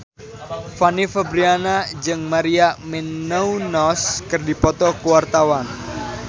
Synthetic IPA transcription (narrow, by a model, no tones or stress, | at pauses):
fanifabɾianad͡ʒɨŋmaɾiamenəunɔskɨrdipɔt̪ɔkuwart̪awan